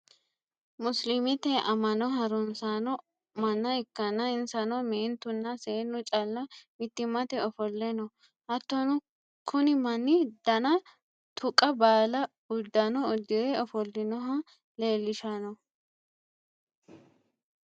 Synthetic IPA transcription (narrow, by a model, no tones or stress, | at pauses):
mʊslɪmɪt̪ɛʔɐmːɐnɔɦɐɾʊnsanɔ | mɐnːɐɪkːɐnːɐɪnsɐnɔmeːnt̪ʊnːɐseːnːʊt͡ʃʼɐlːɐmɪt̪ːɪmɐt̪ɛɔfɔlːɛnɔ | ʔɐt̪ːɔnʊ | kʰʊnɪmɐnːɪd̪̥ɐnɐ | t̪ʰʊkʼːɐbaːlɐ | ʊd̪ːɐnɔʊd̪ːɪdɛɔfɔlːɪnɔɦɐ | le̞ːlːɪʃɐnɔ